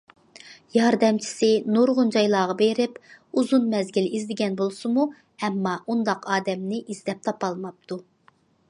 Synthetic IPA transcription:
jɑɾd̪ɛmt͡ʃʰi̥sɪnoɾʁʊnd͡ʒɑjlˠɑːʁɑbeɾɪpuzunmɛzɡʲilizlɪɡʲɛnbolˠsɨmu | ɛmːɑʔund̪ɑqɑːd̪ɛmnɪʔizlɛp̚t̪ʰɑpɑlˠmɑp̚t̪ʰu

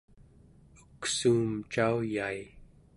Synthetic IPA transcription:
uksuːmt͡ʃaujai

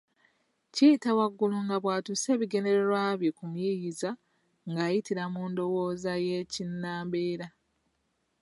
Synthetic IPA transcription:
cijitawaɡːuluŋɡaβwaːtuse̞ːβiɡe̞ne̞ɾeɾwaːβjekumjijiza | ŋɡaːjitiɾamuːndo̞wo̞ːzaje̞cinːaːmbeːɾa

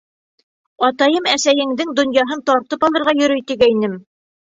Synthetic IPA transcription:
ɑt̪ɑjɤmæsæjɘ̆ŋd̪ɘŋd̪ŏnjɑɦɤnt̪ɑɾt̪ɤpɑlˠɤ̆ɾʁɑjɵ̆ɾɵjt̪iɡæinɘm

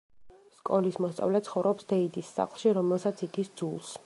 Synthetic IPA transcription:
skʼɔlismɔst̪sʼa̰vlɛt̪sʰχɔvɾɔpsd̪ɛid̪isːa̰χlˠʃiɾɔmɛlˠsat̪sʰid̪ʰisd̪z̥ulˠs

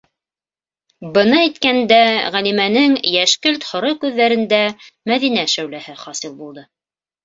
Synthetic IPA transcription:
bɤnɑæjt̪kænd̪æʁælimænɘŋjæʃkɵlt̪hŏɾɤkʉðːæɾɘ̆nd̪æmæðinæʃæwlæhɘχɑsɤlˠbulˠd̪ɤ

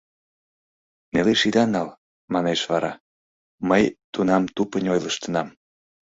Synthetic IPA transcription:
neleʃid̪ɑnɑl | mɑneʃβɑɾɑ | məjt̪unɑmt̪upənʲojləʃt̪ə̆nɑm

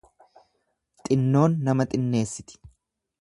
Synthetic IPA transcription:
t̪ʼɪnːo̞ːnːɐmɐt̪ʼɪnːe̞ːsːɪt̪ɪ̥

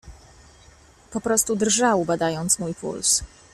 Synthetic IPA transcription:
pɔpɾɔst̪ud̪rʐawbad̪ajɔnt̪smujpṵls

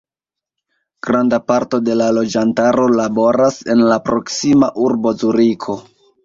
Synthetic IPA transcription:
ɡ̥ɾandapaɾto̞de̞lalo̞d͡ʒantaɾo̞labo̞ɾase̞nlapɾo̞ksimaʔuɾbo̞zuɾikʰo̞

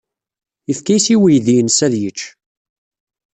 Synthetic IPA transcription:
əfkæjsiwijðinsæðjət͡ʃː

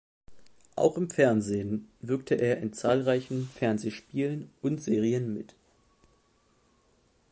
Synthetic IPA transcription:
ʔa̰ʊxɪmfɛɐnzeːənvɪɐk̚tʰəʔeːɐʔɪnt͡saːlʁaɪçn̩fɛɐnzeːʃpiːlənʊntz̥eːʁiənmɪt

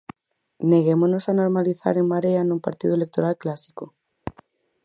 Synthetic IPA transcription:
neɣemonosanoɾmaliθa̰ɾeŋmaɾeanũmpaɾt̪iðʊelek̚t̪oɾalklasi̥ko

